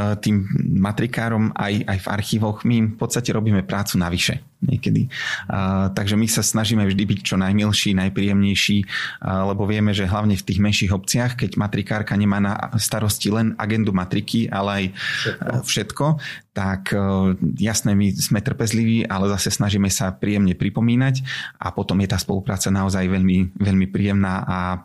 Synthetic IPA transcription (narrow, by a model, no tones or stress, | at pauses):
t̪iːmːat̪ɾikaːɾɔma̰ja̰jva̰ɾxiːʋɔɣmimfpɔt̪st̪acɛɾɔbiːmɛpɾaːt͡sunaʋiʃɛ̰ | ɲɛ̰kɛd̪ḭ | t̪aɡʒɛmisasnaʒiːmɛvʒd̪ibict͡ʃɔnajmilʃiːnajpɾiːjɛmɲɛjʃiːlɛbɔʋɪɛmɛʒɛɦlaʊɲɛft̪iːɣmɛnʃiːɣɔp̚t͡sɪaxkɛɟmat̪ɾikaːɾkaɲɛmaːnast̪aɾɔscilɛna̰ɡɛnd̪umat̪ɾikʰiʔa̰lɛaj | fʃɛt̪kɔt̪akʰ | jasnɛːmiz̥mɛt̪r̩pɛzliʋiːʔalɛzasɛsnaʒiːmɛsapɾiːjɛmɲɛpɾipɔmiːnacʔa̰pɔt̪ɔmjɛt̪aːspɔlupɾaːt͡sanaɔzajʋɛʎmiʋɛʎmipɾiːjɛmnaːʔa